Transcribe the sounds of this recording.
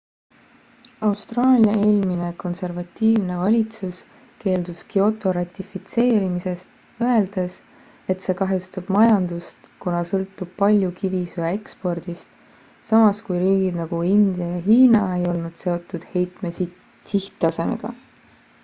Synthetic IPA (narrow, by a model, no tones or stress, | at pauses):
ɑwst̪rɑːlʲijɑe̞ːlmine̞ko̞nse̞rvɑt̪ʲːiːvne̞vɑlʲit̪sus | ke̞ːld̪̥uskio̞t̪ˑo̞ɾɑt̪ʲːˑifit̪se̞ːɾimise̞st̪ | øe̞ld̪̥e̞s | e̞t̪se̞ːkɑɦjust̪ub̥mɑjɑnd̪̥ust̪kunɑsɤlt̪ˑːub̥̚pɑlʲjukivisuee̞kspo̞rd̪̥ist̪ | sɑmɑskujɾiːɡ̥id̪nɑɡ̥uind̪̥jɑjɑɦiːnɑe̞jo̞lnud̪̥se̞o̞t̪ːˑud̪̥he̞jt̪me | siht̪ːɑse̞me̞̰ɡ̥ɑ̰